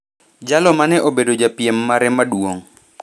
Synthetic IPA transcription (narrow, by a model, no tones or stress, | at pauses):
d͡ʒalɔmanɛʔobedod͡ʒapjemːaɾɛmadwoŋ